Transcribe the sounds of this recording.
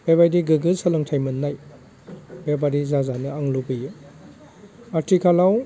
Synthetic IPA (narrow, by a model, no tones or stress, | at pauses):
bebajdiɡɯɡɯsɐlɯŋtʰajmɯnːaj | bebaɾizazanɯaŋlubɯjɯ | atʰikʰalaw